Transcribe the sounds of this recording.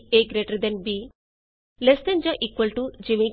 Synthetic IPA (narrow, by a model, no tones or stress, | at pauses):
eɡɾeʈɐɾd̪enbi | lest̪end͡ʒɐʔikwɐlʈud͡ʒiʋi